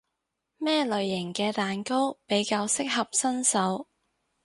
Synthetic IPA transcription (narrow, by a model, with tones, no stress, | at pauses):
mɛː˥lɵ˨ɥjɪ˨˩ŋkɛː˧t̪aː˨nko˥wpe˨˥jkaː˧wsɪ˥k̚hɐ˨p̚sɐ˥nsɐ˨˥w